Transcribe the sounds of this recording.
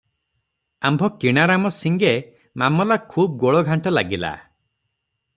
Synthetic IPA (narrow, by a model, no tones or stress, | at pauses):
ambʱɔkiɽ̃aɾamɔsiŋɡe | mamɔlakʰuːb̚ɡoɭɔɡʱaɳʈɔlaɡila̰